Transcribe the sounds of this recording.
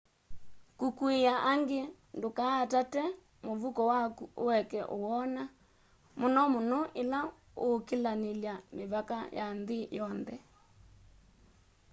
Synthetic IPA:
kukuejaʔaŋɡe | ndokaːtatɛ | moβukɔwakuowɛkɛʔowɔna | monɔmonoʔela | okelaneljameβaka̰janðejɔnðɛ

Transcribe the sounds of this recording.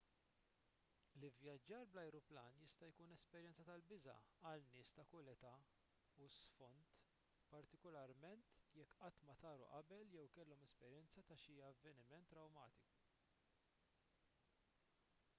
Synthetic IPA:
lɪvjɐd͡ʒːɐːɾblɐjɾuplɐːnjɪst̪ɐjkuːnɛspɛɾjɛnt͡sɐt̪ɐlbɪzɐ̰ɐlnɪːst̪ɐkʊlɛt̪ɐ | usfɔnt̪ | pɐɾt̪ɪkɔlɐɾmɛnt̪jɛkːʔɐt̪ːmɐt̪ɐːɾṵʔɐbɛljɛwkɛlːɔmɛspɛɾjɛnt͡sɐt̪ɐʃiːjɐvːɛnɪmɛnt̪ːɾɐwmɐːt̪ɪku

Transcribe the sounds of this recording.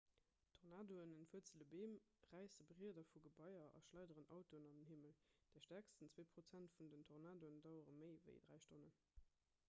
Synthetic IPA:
tʰoʁnaːdoənənfuɐt͡sələbeːmʁæɪsəbəʁiːədɐfuɡəbɑɪɐʔɑ̰ʃlɑɪdəʁənɑ̰ʊtoənɑndənɦiməld̥ɛːɐʃtæɐkstənt͡sweːpʁ̥ot͡sæntfundəntʰoʁnaːdoəndɑʊəʁəməɪvə̰ɪd̥ʁæ̰ɪʃtonə

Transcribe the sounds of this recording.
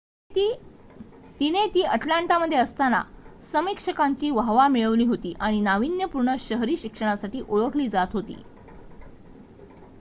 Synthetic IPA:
t̪inet̪iːʔəʈlaɳʈaməd̪ʱːjeəst̪ana̰səmikʂəkaɲt͡ɕiːʋaʋamiɭəʋliːɦot̪iːʔaɽ̃inaʋinjəpuɾɳəɕəɦɾiːɕikʂəɽ̃asaʈiːʔoɭəkʰliːd͡zat̪ɦot̪ḭː

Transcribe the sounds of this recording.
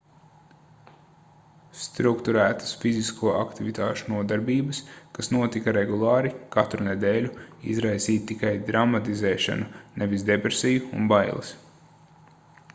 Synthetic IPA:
st̪ɾukt̪uɾæːt̪ə̥sfiziskʰuɔʔa̰kt̪ivit̪aːʃunuɔd̪aɾbiːbəskasnuɔt̪ikaɾeɡulˠɑːɾikat̪ɾunɛd̪ɛːlʲuḭzɾajsiːt̪̚ːikajd̪ɾamat̪izɛːʃa̰nunevizd̪epɾesijuṵnbajlˠɐ̰s

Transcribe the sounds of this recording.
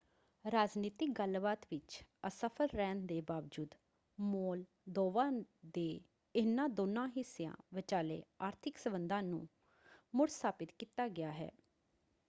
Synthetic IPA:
ɾaːd͡ʒniːt̪ɪk̚ɡəlbaːt̪ʋɪt͡ʃəsəpʰəɾːɛːnd̪eːbaːʋd͡ʒuːd̪ | moːl | d̪oːʋãːd̪eː | ɪnːãːd̪oːnãːɦɪsːejã̰ːʋɪt͡ʃaːlḛːaːɾt̪ʰɪksəbənd̪ãːnṵ̃ː | mʊɽst̪ʰaːpɪt̪kiːt̪aːɡɪjaːɦɛ̰ː

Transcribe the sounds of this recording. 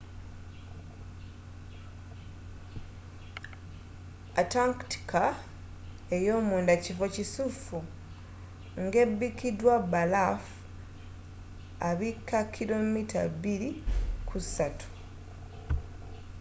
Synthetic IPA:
ataŋkti̥kʰa | ejo̞ːmuːndacifo̞cisufu | ŋɡe̞bːikidwabalaf | aβikːakʰːilo̞mita̰βilikʰusatu̥

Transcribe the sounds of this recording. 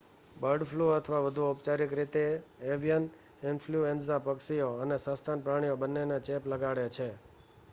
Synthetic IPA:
bəɾɖfʰluət̪ʰʋaʋəd̪ʱuupt͡ʃaɾikɾit̪eeʋijən | ɪnfʰluensapəksioənesə̃st̪ʰanpɾaɽ̃ijobənːenet͡ʃepləɡaɽet͡ʃʰe

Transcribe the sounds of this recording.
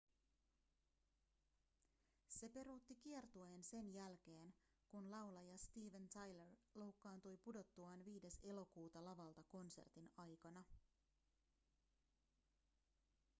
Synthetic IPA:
se̞pe̞ɾut̪ːik̟iert̪uense̞njælk̟e̞ːn | kunlɑwlɑjɑst̪iːʋent̪ɑjlerlo̞wkːɑːnt̪ujpudo̞t̪ːuɑnʋiːde̞se̞lo̞kuːt̪ɑlɑʋɑlt̪ɑko̞nse̞̰rt̪inɑjkɑnɑ

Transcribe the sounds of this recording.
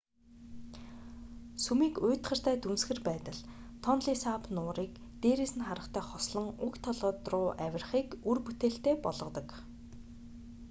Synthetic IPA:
sumiːkʊːt̪χə̆r̥t̪ʰæːt̪unsxɘ̆rpæːt̪ə̆ɮt̪ʰɔnɮiːsapnʊːɾiːk | t̪eːɾeːsɘ̆nχaɾə̆χt̪ʰæːχɔsɮɞ̆ŋʊkt̪ʰɔɮɔːt̪rʊːʔæwʲɪ̆rχiːkurput̪eːɬt̪eːpɔɮʁɞ̆t̪ɞ̆k

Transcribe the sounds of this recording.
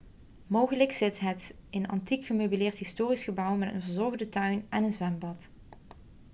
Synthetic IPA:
mowχələksɪtɦətɪnɑ̰ntikχəmøɥbilɪːɹtɦɪstoːrisχəbʌwmɛtə̰nvəɹzɔɹɣdətœɥnɛnənzʋɛmbɑt

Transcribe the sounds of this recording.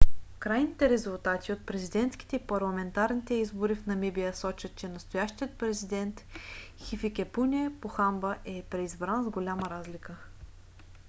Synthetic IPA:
kɾajnit̪ɛɾɛzulˠt̪at̪ʲiot̪̚pɾɛzid̪ɛnt̪skʲi̥t̪ɛipɐɾlˠɐmɛnt̪aɾnit̪ɛizboɾifnɐmibijəsɔt͡ʃət̪t͡ʃɛnɐst̪ojaʃt̪ijət̪̚pɾɛzid̪ɛnt̪ | xifikʲɛpunʲiɛpoxambəʔɛpɾɛizbɾanzɡolʲaməɾazlʲikə

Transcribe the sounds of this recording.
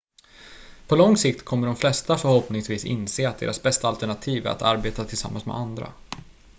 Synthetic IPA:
pʰɔlɔŋsɪk̚t̪kʰɔmːəɖɔmflɛst̪afœɾhɔpnɪŋsviːsɪ̰nseːat̪̚d̪ḛːɾasbɛst̪aalt̪ɛɳat̪ʰiːvæ̰ɾʔa̰t̪a̰ɾbeːt̪at̪ʰɪlsa̰mːa̰nsmɛ̰and̪ɾa̰

